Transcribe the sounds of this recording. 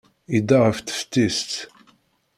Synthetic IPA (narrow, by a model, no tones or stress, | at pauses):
id̪ːaʁəft̪ə̥ft̪ːist̪